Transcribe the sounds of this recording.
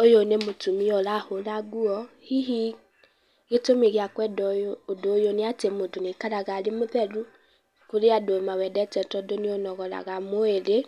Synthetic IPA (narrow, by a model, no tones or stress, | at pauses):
ojonemotumiɔlaholaɡuɔ | hiɦi | ɣetomiɣiakwɛdɔoodojoniatemodunikaɾaɣalimoðɛɾu | kuɾiadomawɛdɛtɛtɔdonionɔɣɔla̰ɣamoele